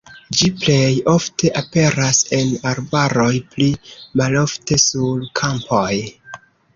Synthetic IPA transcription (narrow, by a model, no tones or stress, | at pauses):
d͡ʒiple̞jo̞ftʰe̞ʔape̞ɾase̞naɾbaɾo̞jplimalo̞fte̞sulkʰampʰo̞j